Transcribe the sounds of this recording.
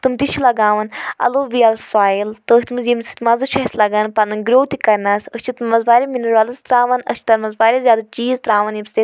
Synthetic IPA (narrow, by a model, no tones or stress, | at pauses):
t̪umt̪it͡ʃʰilɐɡaːʋɐnɐ̰loːʋijɐlsaːjilt̪əːhʲt̪mɨzjimsʰi̥t̪mɐzɨʃʰɐsʲlɐɡɐnpɐnɨnɡɾoːwt̪ikɐɾnɐsət͡ʃʰit̪mɐzbaːɾʲiminuɾaːlɐst̪ɾaːʋɐnə̰t͡ʃʰt̪ɐɾmɐzbaːɾʲizʲjaːd̪at͡ʃiːzt̪ɾaːʋɐnjimʲse